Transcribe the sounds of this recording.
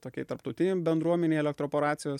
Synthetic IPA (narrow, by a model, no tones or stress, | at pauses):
t̪oːkʲɛɪt̪ɐɾp̚t̪ɐʊt̪ʲɪnʲebʲɛnd̪ɾuɔmʲɛnʲeɪɛlʲɛkt̪ɾoːpoːɾɑːt̪sʲɪjoːs